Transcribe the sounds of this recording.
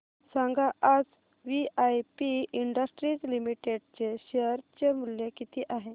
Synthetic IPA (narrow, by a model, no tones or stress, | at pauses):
sãŋɡaʔad͡z | ʋiajpiiɳɖəsʈɾid͡zlimiʈeɖt͡ɕeɕeəɾt͡ɕemuljekit̪iːʔaɦe